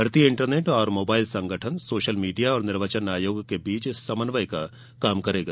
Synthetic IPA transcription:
ɦɐɾt̪iɪ̃ɳʈəɾneːʈɔːɾmoːbaːɪlsɐ̃ŋɡʱəʈʰənsoːʃəlmiːɖijaɔːɾnɪɾʋət͡ʃənaːjoːɡkebiːt͡ʃːɐmənʋəjka | kaːmkɐɾeːɡa

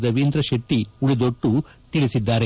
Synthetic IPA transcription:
d̪ɐʋind̪ɾɐʃeʈːiuɭid̪oʈːu | t̪iɭisid̪ːaːɾe

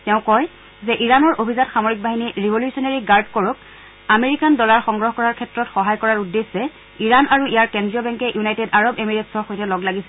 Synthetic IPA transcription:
tɛʊ̃kɔj | zɛʔiɹanɔɹʔobʱizatxamoɹik̚baɦiniɹibʱoljusɔnaɹiɡaɹdkɔɹʊk̚ | ameɹikandɔlaɹxɔŋɡɹɔɦɔkɔɹaɹkʰɛtɹɔtxɔɦajkɔɹaɹudːesːɛ | iɹanaɹuijaɹkɛndɹijɔbɛŋkɛʔjunajtedaɹɔbemiɹetsɔɹxojtɛlɔɡlaɡisɛ

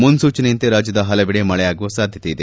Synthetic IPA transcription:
munsuːt͡ʃɐnejɐnt̪eɾaːd͡ʒjɐd̪ɐɦɐlɐbiɽemɐɭɛjaːɡuʋusaːd̪ʱjɐt̪ejid̪e

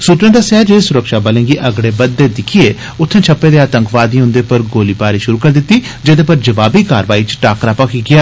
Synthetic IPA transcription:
suːt̪ɾẽːd̪aːsaːd͡ʒesʊɾəkʃaːbəlẽːɡiːʔəɡɽeːbəd̪ːeːd̪ɪkʰijeː | ʊt̪ʰːẽːt͡ʃʰəpːeːd̪eːaːt̪ə̃ŋkʋaːd̪ĩːɦʊ̃nd̪eːpəɾɡoːliːpaːɾiːʃʊɾuːkəɾd̪ɪt̪ːiːd͡ʒed̪eːpəɾd͡ʒəʋaːbiːkaːɾʋaːiːt͡ʃʈaːkɾaːpakiɡɪaː

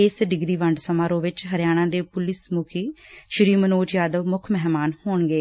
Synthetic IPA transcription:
ɪsɖɪɡɾiːʋəɳɖsəmaːɾõːʋɪt͡ʃɦəɾjaːɽ̃ãːd̪eːpʊlɪsmʊkʰiːʃəɾiːmənoːd͡ʒjaːd̪əʋmʊkʰmɛɦmaːnhoːɳɡeː

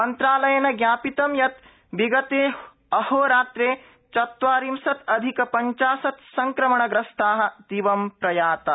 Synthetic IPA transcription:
mɐnt̪ɾaːlɐjɐnɐɡjaːpit̪ɐmjɐt̪ | ʋiɡɐt̪eː | ɐhoːɾaːt̪ɾeː | t͡ʃɐt̪ʋaːɾimsɐt̪ɐd̪ʱikɐpɐɲt͡ʃaːsɐt̪sɐŋkɾɐmɐɳɐɡɾɐst̪aːɦɐ̆d̪iʋɐmpɾɐjaːt̪ɐ

